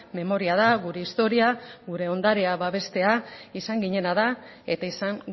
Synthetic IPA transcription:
me̞mo̞ɾiað̞aɣuɾe̞ist̪o̞ɾiaɣuɾe̞o̞nd̪aɾeaβaβe̞st̪e̞aisaŋɡiɲe̞nað̞a | e̞̰t̪aisaŋ

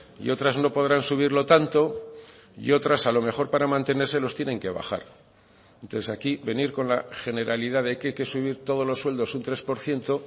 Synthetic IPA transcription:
ḭo̞t̪ɾazno̞po̞ðɾansuβ̞iɾlo̞t̪ant̪o̞ | ḭo̞t̪ɾasalo̞me̞χo̞ɾpaɾamãnt̪e̞ne̞ɾse̞lo̞st̪je̞nẽ̞ŋke̞β̞a̰xa̰ɾ | ent̪oθesakiβe̞niɾko̞nlaxe̞ne̞ɾʔaliðaðajkajke̞suβiɾt̪o̞ð̞o̞zlosːwe̞ld̪o̞sunt̪ɾe̞spo̞ɾθje̞nt̪o̞

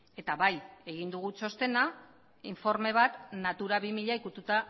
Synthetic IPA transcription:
e̞t̪aβaje̞ɣ̞ind̪uɣ̞ut͡ʃo̞st̪e̞na | iɱfo̞ɾme̞β̞at̪nat̪uɾaβimiʎaikut̪ut̪a

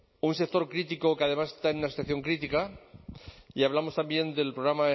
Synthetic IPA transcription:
unse̞k̚t̪o̞ɾkɾit̪iko̞keaðe̞masest̪aenunasoθjaθjo̞ŋkɾit̪ika | iaβ̞lamo̞st̪ambje̞nd̪e̞lpɾoɣ̞ɾama

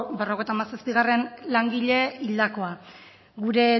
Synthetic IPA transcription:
bero̞ɣe̞jt̪amasaspiɣare̞nlaŋɡiʎe̞ild̪ako̞a | ɣuɾe̞

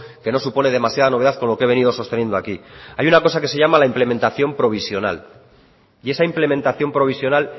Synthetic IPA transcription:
ke̞no̞supo̞ne̞ðe̞masjað̞anoe̞ðaθko̞nlo̞kee̞βe̞nið̞o̞so̞st̪e̞nje̞nd̪o̞akiajunako̞sake̞se̞ʝamalaimple̞ment̪aθjo̞mpɾo̞β̞isjo̞na̰l | ie̞saimple̞mẽ̞nt̪aθjo̞mpɾo̞β̞isjo̞nal

